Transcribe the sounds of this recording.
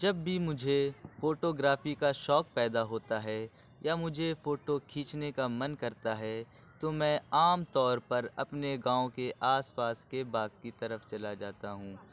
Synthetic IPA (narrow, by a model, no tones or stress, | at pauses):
d͡ʒɐbːimʊd͡ʒʱefoːʈoɡɾaːfikaʃɔːk̚pɛːd̪aɦoːt̪aɦɛ | jamʊd͡ʒʱefoːʈokʰiːt͡ʃnekamɐnkɐɾt̪aɦɛ | t̪omɛ̃ːaːmt̪ɔːɾpɐɾɐpneɡãːõkeʔaːspaːskebaːɡ̚kit̪ɐɾəft͡ʃɐlad͡ʒaːt̪aɦũː